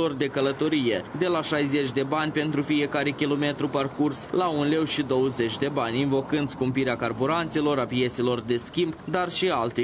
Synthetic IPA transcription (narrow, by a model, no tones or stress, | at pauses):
o̞rd̪e̞kələt̪o̞ɾije̞d̪e̞laʃajze̞t͡ʃʲd̪e̞banʲpe̞nt̪ɾufije̞kaɾe̞kʲilo̞me̞t̪ɾuparkurslaunle̞wʃid̪o̞wəze̞t͡ʃʲd̪e̞banʲinvo̞kɨnd̪skumpiɾeakarbuɾant̪se̞lo̞ɾapije̞t̪se̞lo̞rd̪e̞skʲimbd̪arʃialt̪e